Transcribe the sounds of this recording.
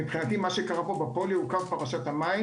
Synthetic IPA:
ibχinat̪imaʃekaʁapo̞bapo̞liukavpaʁaʃat̪hamai

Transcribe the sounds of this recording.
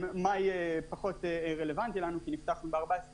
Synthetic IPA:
majepaχo̞teʁe̞le̞vant̪ilanukiniftaχnubeaʁbaesʁ

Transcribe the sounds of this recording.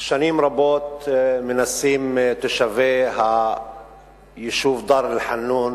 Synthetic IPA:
ʃaniːmɾˤabot̪menasimt̪eʃaveɦa | jeʃuːvd̪ɑɾˤlɪlħanːun

